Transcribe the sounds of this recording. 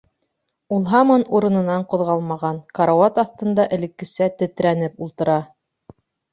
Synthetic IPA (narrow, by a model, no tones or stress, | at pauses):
ulˠɦɑmonuɾɤ̆nɤ̆nɑɴqŏðʁɑlˠmɑʁɑnkɑɾawɑt̪ɑθt̪ɤ̆nd̪ɑʔɘ̆lɘ̆kːɘ̆sæt̪ɘ̆t̪ɾænɘpulˠt̪ɤ̆ɾɑ